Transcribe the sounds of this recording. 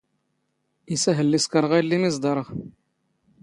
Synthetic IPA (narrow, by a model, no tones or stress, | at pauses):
isæɦəlːiskɑɾˤʁæjlːimizd̪ɑɾˤəʁ